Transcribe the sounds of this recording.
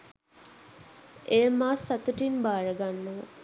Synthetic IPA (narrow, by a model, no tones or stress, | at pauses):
ʔeːmaːsːat̪uʈimbaːɾəɡanːəʋə̰